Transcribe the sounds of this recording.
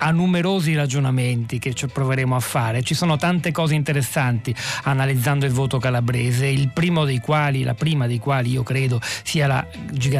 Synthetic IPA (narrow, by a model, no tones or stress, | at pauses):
anːumeɾoːzirad͡ʒonament̪iket͡ʃapːɾoveɾeːmoafːaːɾet͡ʃisoːnot̪ant̪ekɔːzeint̪eɾesːant̪ianalid̪zːand̪oilvoːt̪okalabɾeːzeilpɾiːmod̪ejkwaːlila̰pɾiːmad̪ejkwaːliiːokɾeːd̪osiːala̰ | d͡ʒi